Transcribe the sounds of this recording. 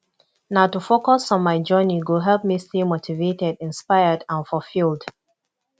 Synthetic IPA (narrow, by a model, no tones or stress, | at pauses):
naʊtufokɔsɔ̃nmaɪd͡ʒɜniɡoɦɛlˠp̚mistimotʰivetɛdɪ̃nspaɪədãnfɔlfilˠd